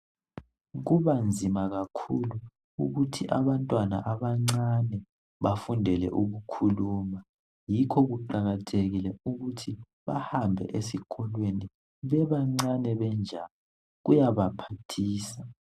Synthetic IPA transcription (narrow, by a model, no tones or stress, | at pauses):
ɣuβand͡zʱimaɣakʰulu | ṵɣutʰiʔa̰βantʼwana̰ʔaβaŋ͡ǀanɛ | βafundʱɛlɛ̰ʔuɣukʰuluːma | jikʰɔɣuǃaɣatʰeɣilɛuɣutʰi | βa̰hambʱɛ̰ʔesikʰɔlweni | βɛβaŋ͡ǀanɛβɛnd͡ʒʱalɔ | ɣujaβapʰatʰiːsa